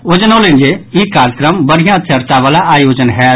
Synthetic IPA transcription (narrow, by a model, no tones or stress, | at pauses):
od͡ʒənolẽnd͡ʒeikaːɾjəkɾəmbəɽ̤ijãt̪t͡ʃəɾt̪aʋaːlaʔaːjoːd͡ʒənɦɛː